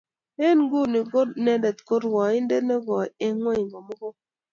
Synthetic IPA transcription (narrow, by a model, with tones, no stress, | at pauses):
e˦˨nɡo˦˨nɪ˨ɡo˦nɛ˦dɛ˨t̪ko˦ɾwɔ˨ɪ˦nde˦nɛ˦ɡɔ˨e˦ŋwɔ˦i˨ŋɡɔ˨mɔ˦ɡɔ˦